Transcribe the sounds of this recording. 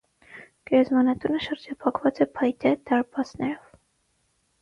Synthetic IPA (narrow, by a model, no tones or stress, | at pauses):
ɡ̥ɛɾɛzmɑnɑt̪unəʃəɾd͡ʒɑpʰɑkvɑt͡sɛpʰɑjt̪ɛd̪ɑɾpɑsnɛɾɔv